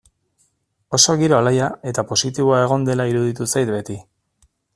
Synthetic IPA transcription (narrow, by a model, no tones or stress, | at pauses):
o̞so̞ɣiɾo̞alajae̞t̪apo̞sit̪iβoae̞ɣ̞o̞nd̪e̞laiɾuðit̪usajt̪be̞t̪i